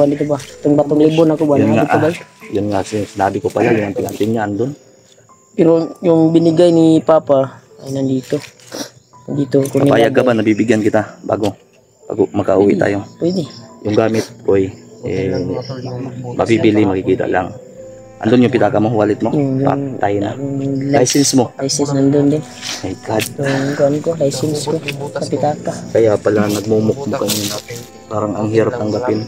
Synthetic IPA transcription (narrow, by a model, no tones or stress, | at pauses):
and̪iːt̪obat̪oŋbat̪oŋlɪbonɐkobajʊnŋa̰tobajʊnŋaʔsɪsɪnaːbɪkopalajʊŋant̪ɪŋant̪ɪmɲaʔand̪on | pɛɾojʊŋbɪnɪɡajnipaːpa | nɐnd̪iːt̪o | nd̪iːt̪okokapajaɡkabanɐbibɪɡjankɪt̪aba̰ːɡo | b̥a̰ːɡomɐkaʔuːwɪʔt̪a̰ːjopwɛd̪ɛjʊŋɡaːmɪt̪̚kojʔɛ | mʔɐ̰bibilɪmɐkɪkiːt̪ɐ̰ʔla̰ŋ | ʔɐ̰nd̪onjʊŋpɪt̪aːkɐmo̞waːlɪt̪̚mojŋa̰ŋt̪aːjona̰jʊŋlajsɛnsmo̞lajsɛnsnɐnd̪ond̪ɪnʔɐjɡad̪̚jʊŋkoʔonkolajsɪnskosɐpɪt̪aːkɐkɐjapɐlanɐɡ̚muːmʊk̚mokɐmonɐ | paːɾɐŋɐŋhiːɾap̚t̪ɐŋɡapɪn